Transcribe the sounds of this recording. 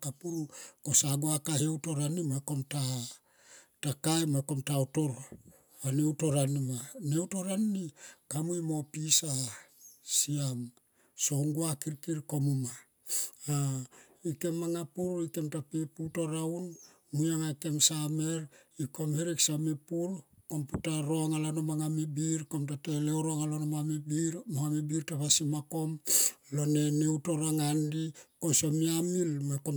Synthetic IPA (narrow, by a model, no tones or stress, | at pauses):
kapuɾuko̞saɡoakahewto̞ɾanimako̞mta | takajmako̞mtaoto̞ɾ | ane̞wto̞ɾanimane̞wto̞ɾannikamujmo̞pisa | siam | so̞ŋɡuakiɾkiɾko̞muma | a | ike̞mːaŋapuɾike̞mtapiputoɾawn | mujaŋake̞msame̞ɾikomhiɾiksamipuɾko̞mputaɾo̞ŋalanomaŋamibiɾkomtateleoɾoŋalonomamibiɾmohamibiɾtaβasimako̞mlo̞ne̞neutoɾaŋandikosomiamilmeko